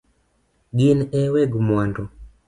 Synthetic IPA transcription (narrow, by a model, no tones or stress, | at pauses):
ɡinɛwɛɡmwandɔ